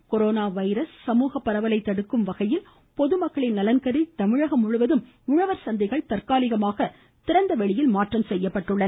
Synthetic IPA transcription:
kɔɾoːnaːʋɐɪɾɐsːɐmuːɣɐpːɐɾɐʋɐlɐɪt̪ːɐɽɯkːɯmʋɐɣɐjɪl | pɔðɯmɐkːɐɭɪnnɐlɐnkɐɾit̪ɐmɪɻɐɣɐmʊɻʊʋɐðɯm | ʊɻɐʋɐɾsɐnd̪ɪɣɐɭt̪ɐrkaːlɪɣɐmaːɣɐ | t̪ɪɾɐnd̪ɐʋɛɭɪjɪlmaːʈrɐmsɛjːɐpːɐʈːɯɭːɐ

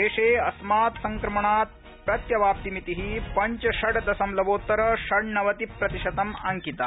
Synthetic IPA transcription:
eːʂeːɐsmaːt̪sɐŋkɾɐmɐɳaːt̪̚ | pɾɐt̪jɐʋaːp̚t̪imit̪iɦiːpɐɲt͡ʃɐʃɐɽd̪ɐsɐmlɐʋoːt̪ːɐɾɐʃɐɽnɐʋɐt̪ipɾɐt̪iʃɐt̪ɐmaŋkit̪aː

